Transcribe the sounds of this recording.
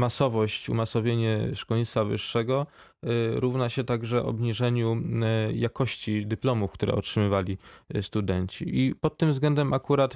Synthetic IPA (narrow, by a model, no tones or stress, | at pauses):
masɔvɔɕt͡ɕṵmasɔvʲjeɲɛʂkɔɲit̪favɘ̰ʂːɛɡɔ | ɾuvnaɕɛt̪aɡʐɛɔ̰bɲiʐɛɲujakɔɕt͡ɕid̪ɘplɔmufkt̪uɾɛ̰ɔ̰tʂɘmɘvalʲist̪ud̪ɛɲt͡ɕḭʔipɔt̪ːɘmvzɡlɛnd̪ɛmʔakuɾat̪